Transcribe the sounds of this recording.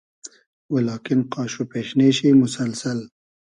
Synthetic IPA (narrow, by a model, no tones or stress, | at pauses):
welɑːkɪnqɑːʃupeːʃneʃimʊsalsal